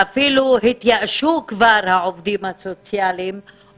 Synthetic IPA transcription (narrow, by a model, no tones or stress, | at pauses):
afiːluɦit̪jaʔʃukvaːɾhaʕovd̪iːmhasot͡sjalim